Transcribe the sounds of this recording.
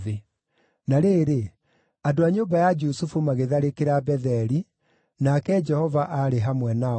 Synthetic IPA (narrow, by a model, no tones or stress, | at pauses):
ðe | naɾeːɾe | adoaɲoːmbajad͡ʒusufumaɣeðaɾekeɾabɛðɛɾi | nakɛd͡ʒɛhɔvaʔaɾeɦamwɛna